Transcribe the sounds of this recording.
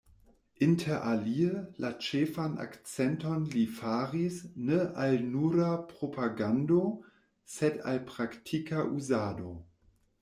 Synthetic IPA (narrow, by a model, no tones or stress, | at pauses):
ʔintʰeʔaliəlat͡ʃeːfana̰kt͡sɛntonlifaːʁisnəalnuɾapʁopaɡando | seta̰lpʁaktʰikʰaʔuzaːdo